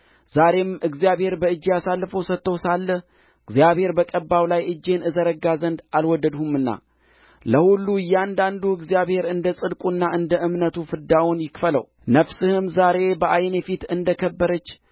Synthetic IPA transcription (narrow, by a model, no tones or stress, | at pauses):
z̥aɾe̞mɨɡzijaβhe̞ɾbəɨd͡ʒːijasalːfəwsət̪ːəwsalːəh | ɨɡzijaβhe̞ɾbəkʼəbːawlajɨd͡ʒːe̞nɨzəɾəɡazənd̪alwɔd̪əd̪humɨnːa̰ | ləhulːujɛand̪and̪uɨɡzijaβhe̞ɾɨnd̪əsʼɨd̪kʼunːaʔɨnd̪əʔɨmnət̪ʰufɨd̪awunjɪkfələ̰w | nəfsɨhɨmzaɾe̞bəʔajnefit̪ɨnd̪əkʰəbːəɾət͡ʃː